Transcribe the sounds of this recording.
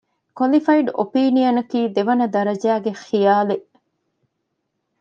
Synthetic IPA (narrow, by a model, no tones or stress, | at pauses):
kwɐlifɐiɖo̰piːnijɐnɐkiːd̪eʋɐnɐd̪ɐɾɐd͡ʒæːɡexijaːle